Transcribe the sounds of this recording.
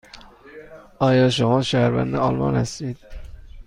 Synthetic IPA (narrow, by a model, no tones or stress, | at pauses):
ɑːjɒʃomɑʃæhæɾvæ̰nd̪ɪɑlmɑ̰nhæst̪id̪̥